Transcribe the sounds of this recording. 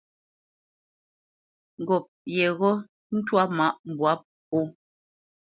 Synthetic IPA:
ŋ̩˨ɡɔ˨p̚jɛ˨ɣɔ˦ | n̩˦twa˦ma˦˨ʔm˨bwa˨˦p̚ | o˦

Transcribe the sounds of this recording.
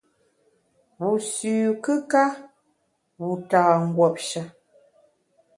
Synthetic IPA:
wu˨sʉː˨kɨ˦ka˦ | u˨taː˨ŋ̩˨ɡwɔ˨p̚ʃa˦

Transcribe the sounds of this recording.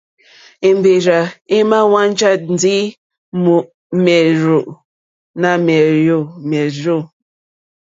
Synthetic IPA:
e˨m˨be˨ɾa˨e˦ma˦wa˦n˦t͡ʃa˦t̚n̩˨di˦ | mu˨ʔ | mɛ˨ɾo˨ʔ | na˦mɛ˨jo˦˨mɛ˨ɾo˦˨

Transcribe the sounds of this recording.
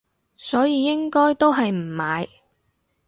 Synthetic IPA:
sɔː˨˥jiː˧jɪ˥ŋkɔː˥jt̪o˥wɦɐ˨jm̩˨˩maː˨˧j

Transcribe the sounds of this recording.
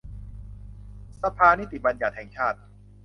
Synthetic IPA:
sa˧pʰaː˧ni˥t̪i˨˩ba˧nja˨˩t̪̚hɛː˨˩˦ŋt͡ɕʰaː˥˩t̪̚

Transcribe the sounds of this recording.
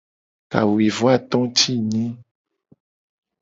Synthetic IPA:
ka̰˨wi˨vo˦a˦˨t̪ɔ̃˦t͡ʃʰi˦ɲĩ˦

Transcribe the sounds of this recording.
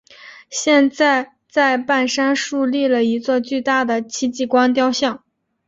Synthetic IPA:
ɕjɛ˥˧nt͡sa˥˩˧ɪ | t͡sa˥˧ɪpa˥˩nʂa˥nʂu˥˧li˥˩lə˩i˧˥t͡swɔ˥˧t͡ɕy˥˧t̪a˥˩d̪ə˩t͡ɕʰi˥t͡ɕi˥˩kwa˥nt̪jɑ˥ʊɕjɑ˥˩ŋ

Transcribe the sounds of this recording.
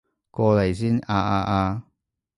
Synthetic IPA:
kɔː˧lɐ˨˩jsiː˥naː˧ʔaː˧ʔaː˧

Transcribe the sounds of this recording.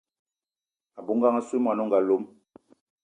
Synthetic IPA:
a˨bu˨˦ŋ˦ɡa˦ŋa˦su˦mwa˨nɔ˦ŋɡa˨lo˨˦m

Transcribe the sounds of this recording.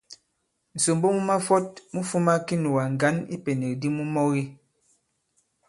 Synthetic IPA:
n̩˨so˨mbo˦mu˦ma˦fɔ˦t̚mu˦fu˦ma˦ki˦nu˨wa˨ŋ˨ɡa˨˦nḭ˦pe˨ne˨k̚di˦mu˦mɔ˦ɣi˦

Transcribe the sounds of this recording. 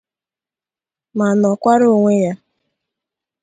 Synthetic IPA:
ma˨nɔ˨kʷa˦ɾʊ˦˨ŋʷe˦ja˦

